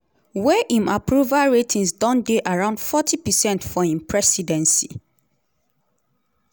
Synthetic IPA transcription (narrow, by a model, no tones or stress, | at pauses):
wɛʔĩmapʰɹuvalɹetʰĩnsdɔ̃ndeʔaɹãʊ̃ndfɔtʰipɛsɛ̃ntfɔĩmpʰɹɛsidɛ̃nsi